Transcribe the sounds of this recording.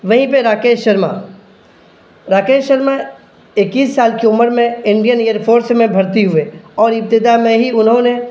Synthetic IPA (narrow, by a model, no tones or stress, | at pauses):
ʋɐɦĩpeɾaːkeːʃəɾma̰ | ɾaːkeːʃəɾma | ɪkiːsːaːlkeʊməɾmẽɪ̃ɳɖijəneːjəɾpʰoːɾsmẽbʱɐɾt̪iɦʊeɔːɾɪp̚t̪ɪd̪amẽɦiʊnɦõne